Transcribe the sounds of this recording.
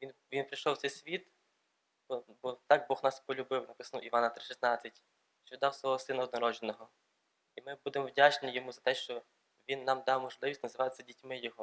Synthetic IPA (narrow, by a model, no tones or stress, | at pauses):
ʋʲinʋʲinpɾiʃɔwt̪sɛjsʲʋʲit̪ | b̥ɔbɔt̪ɑɡ̚bɔxnɑspɔlʲʊbɪwnɐpɪsnuwiʋɑnɐt̪ɾɪʃisnɑt͡sʲːɐtʲ | t͡ʃɔid̪ɑwsʋˠɔɦɔsɪnɐɔd̪nɔɾɔʒenɔɦɔ | imɪbud̪emɔwdʲat͡ʃnnɪjɔmuzɐt̪ɛʃt͡ʃɔ | ʋʲinːɑmd̪ɑwmɔʒlˠɪʋʲisʲtʲnɐzɪʋɑjɪt͡sʲːɐdʲitʲmɪjɔɦɔ